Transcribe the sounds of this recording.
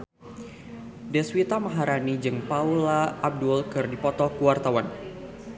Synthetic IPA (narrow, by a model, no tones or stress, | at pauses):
dɛswit̪amaɦaɾanid͡ʒɨŋpaulaːb̚dulkɨrdipɔt̪ɔkuwart̪awan